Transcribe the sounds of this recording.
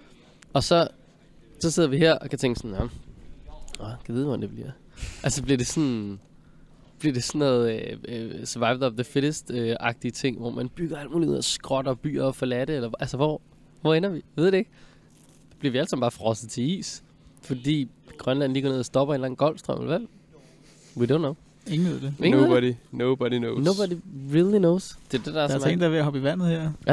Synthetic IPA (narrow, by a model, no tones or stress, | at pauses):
ɒ̽sɒ̽ | sɒ̽se̝ð̞̰ˠɐʋiɦeɐ̰ɒ̽kʰæt͡sʰeŋɡ̥əsɒ̽njɒm | ɒkʰæʋið̞ˠʋɒd̥ænd̥eb̥liɐ̰ | ʔælsəb̥liɐde̝sɒn | b̥liɐd̥e̝sɒnːɔːð̩ˠ | sʋɑ̈ɪbð̩ˠɒmðefeɾ̥əsd̥øɑ̈ɡ̥̚d̥iət͡sʰe̝ŋ̰ʋɒ̰mænb̥yɡ̥ɐælmuːluð̰ˠɒsɡ̥ʁɒɾ̥ɐb̥y̰ːɐːfɒ̽læɾ̥əelɐʔælsəʋɒ | ʋɒenɐʋiʋeð̞̰ˠdee̝ɡ̥̚ | b̥liɐʋiælsɑmb̥ɑ̈ːfʁɒ̽sð̩ˠt͡sʰe̝ḭːs | fɒ̽d̥ḭː | ɡ̥ʁɶnlæn̰liɡ̥ɐneð̰ˠɐsd̥ɒ̽b̥ɐe̝ːnlæn̩ɡ̥ɒ̽l̰sd̥ʁɶ̰mlʋæ | widõʊnːoʊ | eŋneð̰ˠd̥eeŋnobɾinoʊb̥ɒɾinoʊnoʊbɒdiʁilˠinoʊsd̥e̝ɐd̥e̝d̥ɑ̈æɐmen̩d̥ɑɐʋeɐhɒ̽b̥iʋæn̰ð̩ˠheɐ̰